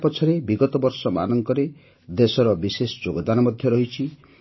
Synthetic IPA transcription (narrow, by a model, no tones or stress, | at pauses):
pɔt͡ʃʰɔɾebiɡɔt̪ɔbɔɾsɔma̰nɔŋkɔɾe | d̪esɔɾɔbisesɔd͡ʒoɡɔd̪anɔmɔd̪ʱjɔɾɔɦit͡ʃʰi